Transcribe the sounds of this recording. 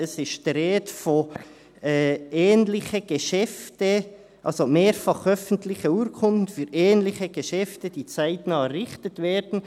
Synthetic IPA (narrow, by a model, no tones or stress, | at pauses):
ɛsɪʃtd̥ɾeːtfo | ɛɛːnlɪçəɡ̥eʃɛftə | ʔɑlsomeːɾfɑχœfən̩tlɪçəuːɾkʰʊndn̩fyːɾɛːnlɪçəɡ̥əʃɛftəd̥iːt͡saɪtnɑːəɾɪxtətveːɾdn̩